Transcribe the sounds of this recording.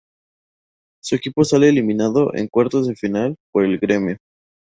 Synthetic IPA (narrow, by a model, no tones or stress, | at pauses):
sue̞kipo̞sale̞ːlimĩnaðo̞ʔe̞̰ŋkwaɾt̪ozðefinalpo̞ɾe̞lɣɾe̞mjo